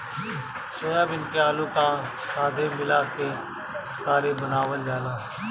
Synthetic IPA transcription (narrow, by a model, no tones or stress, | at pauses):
soəbɪnkeaːluka | saːd̪ʱeːmɪlaːke | kaːɾebənaːʋəld͡ʒaːlaː